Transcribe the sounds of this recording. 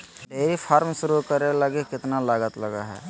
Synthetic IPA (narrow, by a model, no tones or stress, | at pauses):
ɖeːɾipʰaːɾmʃʊɾukəɾeləɡekɪt̪nalaːɡət̪ləɡa̰ɦɛ̰ː